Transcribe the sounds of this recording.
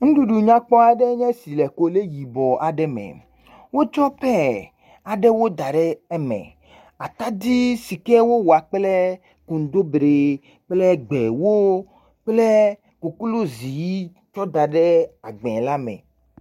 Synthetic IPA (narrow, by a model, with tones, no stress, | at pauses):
ŋ̩̃˦ɖu˨ɖu˨ɲã˦k͡pɔ˦a˨ɖɛ˦ɲɛ̃˦si˨lɛ˨ko˦le˦ji˨bɔ˨ʔa˨ɖɛ˦mɛ̰̃˨ | wo˦t͡ʃɔ˦pɛ˦ | a˨ɖɛ˦wo˦d̪a˨ɖɛ˦ɛ˦mɛ̰̃˨ | a˨t̪a˦d̪i˦si˨kɛ˦wo˦wo˨a˨k͡plɛ˦ | kũ˨n˨d̪o˦bɖe˨ | k͡plɛ˦ɡ͡be˨wo˦ | k͡plɛ˦ | ko˨ku˦lo˦zi˨ji˦ | t͡ʃɔ˦d̪a˨ɖɛ˦a˨ɡ͡bɛ̃˨la˦mɛ̰̃˨